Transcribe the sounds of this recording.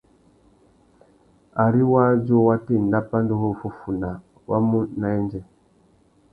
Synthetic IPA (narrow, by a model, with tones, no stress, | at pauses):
a˨ɾi˦wa˦d͡ʒo˦wa˦te˦˨n˨da˦pa˦n˦do˦ɦo˦˨fo˨fu˨na˨ | wʔa̰˦mu˦na˨ɛ˦nd͡ʒɛ˨